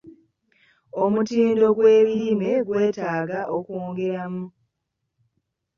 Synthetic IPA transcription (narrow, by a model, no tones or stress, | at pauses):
o̞mutiːndo̞ɡwe̞ːβiɾime̞ɡwe̞ːtaːɡaʔokoːŋɡe̞ɾamu